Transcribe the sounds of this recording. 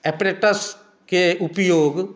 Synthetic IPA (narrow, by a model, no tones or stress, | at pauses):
epɐɾeːʈːɐs | keupəjoːɡ